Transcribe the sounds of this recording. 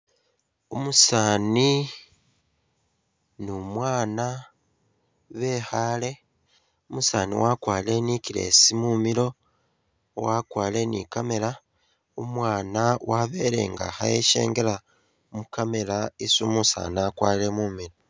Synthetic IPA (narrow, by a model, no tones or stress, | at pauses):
umusaːni | numwaːna | βe̞ːxaːle̞ | umusaːnḭwakwaːle̞nikiɾe̞̰simumiɾo̞ | wakwaːle̞nikame̞ɾa | umwaːnawʔaβeɾe̞̰ːŋɡa̰xajeʃe̞̰ːŋɡe̞ɾa | mukame̞laisumusa̰ːniaːkwaːle̞muːmiɾo̞